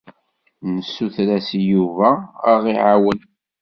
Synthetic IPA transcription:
nəsːuθɾæsjuvææʁiʕawən

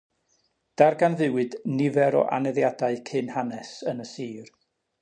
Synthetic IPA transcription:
d̥arɡanðɨwɨdnɪvɛɾɔ̰ʔa̰nɛðjadaɨkʰɨnhanɛsənəsiːr

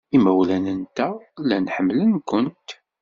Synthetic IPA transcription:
imæwlænənt̪ælænħəmːlənkʊnt̪

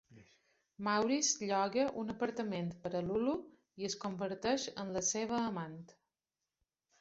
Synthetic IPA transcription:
mawɾizʎɔɣəʔunəpəɾt̪əment̪pəɾəlulu | iəskumbəɾt̪ɛʃə̰nləseβ̞əːmant̪

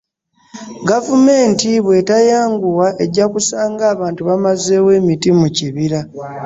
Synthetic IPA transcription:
ɡavume̞ːntiβwe̞tajaːŋɡuwaʔe̞ɟːakusaːŋɡaːβaːntuβamaze̞ːwe̞ːmitimuciβiɾa

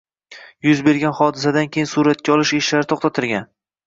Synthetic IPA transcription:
jʊzbe̞ɾɡʲanχɒd̪ɪsad̪ankʲʰejɪnsuɾat̪̚kʲaɒlˠɪʃeʃlaɾɪt̪ʰoqχt̪at̪ʰɪɾɡʲan

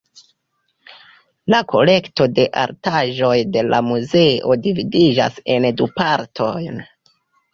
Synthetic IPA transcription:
lakʰo̞̰le̞kto̞de̞ʔa̰ɾtaʒo̞jde̞lamuze̞o̞dividid͡ʒa̰se̞ndupaɾtʰo̞jn

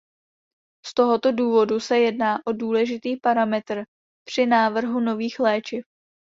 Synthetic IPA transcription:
st̪o̞ɦo̞t̪o̞duːvo̞dusɛjɛdnaːʔo̞duːlɛʒɪt̪iːpaɾamɛt̪r̩ | pr̝̥ɪnaːvr̩ɦuno̞viːxlɛːt͡ʃɪf

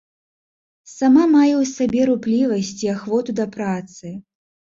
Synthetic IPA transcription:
samamajɛwsabʲɛɾuplʲivɐsʲt͡sʲiaxvɔt̪ud̪ɐpɾat̪sɨ

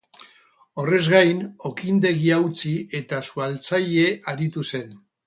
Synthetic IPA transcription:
o̞re̞zɣajno̞kind̪e̞ɣiawt͡sie̞t̪asualt͡saʎe̞aɾit̪use̞n

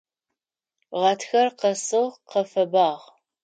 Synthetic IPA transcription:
ʁɐtʰxɐrqɐsɨʁqɐfɐbaːʁ

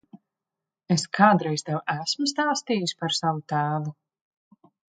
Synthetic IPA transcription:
eskʰaːd̪ɾɛjst̪ɛwʔæsmust̪aːst̪iːjusʲpaɾsavut̪æːvu

